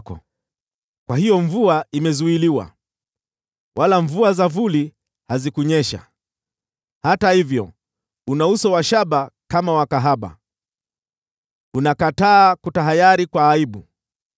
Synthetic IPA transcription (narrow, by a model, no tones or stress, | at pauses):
kɔ̰ | kwahijɔɱvuaimɛzuiliwa̰ | wʔalaɱvuazavuli | hazikuɲɛʃa̰ | hatahivjɔ̰ | unausɔwaʃaɓakamawakaɦaɓa̰ | unakataːkutaɦajaɾikwaːiɓu